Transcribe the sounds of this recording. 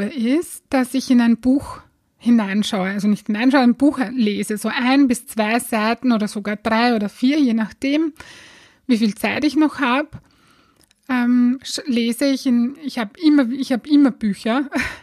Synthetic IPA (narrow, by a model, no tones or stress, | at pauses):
əʔɪs | d̥asɪçɪnaɪnb̥uːx | hɪnaɪnʃaʊəalzonɪçthɪnaɪnʃaʊəɪnb̥uːxnleːzəzoːʔaɪnbɪst͡sv̥aɪzaɪtn̩oːɾɐzoɡaːɐd̥ʁaɪoːɾɐfiːɐjeːnaxd̥eːm | viːfiːlt͡saɪtɪçnɔxhaːb | ʔɛːmʃleːzəɪçɪnɪçhaːbɪmɐɪçhaːbɪmɐb̥yːçɐ